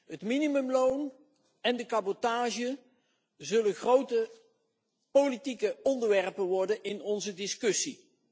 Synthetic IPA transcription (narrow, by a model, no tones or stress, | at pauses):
ɦətminimɵmlown | ɛndəkabɔtaːʒə | zɵlənχrowtə | politikəɔndəɹʋɛrpənʋɔɹdənɪnɔnzədɪskɵsi